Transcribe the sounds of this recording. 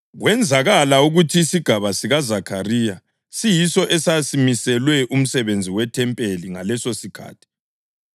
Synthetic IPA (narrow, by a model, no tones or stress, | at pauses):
ɣwɛnd͡zʱaɣalauɣutʰiːsiɡ̥ʱaβasiɣazakʰariːja | sijisɔʔɛsasimisɛlwɛʔum̩sɛβend͡zʱiwɛtʰɛmpʼeliŋa̰lɛsosikʰa̰ːtʰi̥